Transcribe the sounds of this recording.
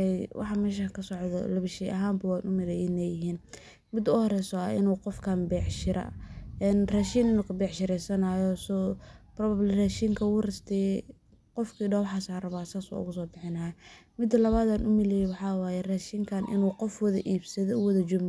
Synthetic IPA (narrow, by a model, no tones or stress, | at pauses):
ɛjwʔɑ̰ħɑmɛːʃ̬akʰɐsɔʕðɔ̰lɐβɪʃiːʔɐɦaːmbɐwaːnʔʊmɪlɛjɪnɛjɪɦiːn | mɪd̪ʊhɔɾɛːsɔaɪ̰nuːqɔfkʰaːmbɛːʕʃɪɾɐ̰ɛnraːʃiːnɪnuːkʰɐbɛːʕʃɪɾɛjsɐnaːjɔsɔbrɔːβablɪraːʃiːŋkʰɐwʊːrɪst̪ʰɛ | qɔfkʰiːɖɐwɑħaːsaːrɐβaːsaːsṵʊ̰ɣʊs̬ɔːbɪħɪnɐhamɪd̪ːɐlɐβaːd̪aːnʔʊmɪlɛjɛwɑħɑːwaːjɛraːʃiːŋkʰanʔɪ̰nuːqɔfwɐðɐʔiːbsɐðɔʊwɐðɐd͡ʒʊm